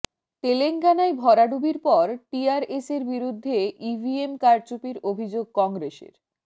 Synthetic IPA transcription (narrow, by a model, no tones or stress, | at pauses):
t̪eleŋkanaebʱɔɾaɖubiɾpɔɾʈiaɾeseɾbiɾud̪ʱːeʔibʱiemkaɾt͡ɕupiɾobʱid͡ʑoɡ̚kɔŋɡɾeʃḛɾ